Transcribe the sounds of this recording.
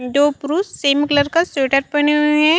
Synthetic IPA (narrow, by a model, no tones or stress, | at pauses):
d͡ʒoːpɾusːeːmklɐɾkaseːʈəɾpɐneɦɛ̃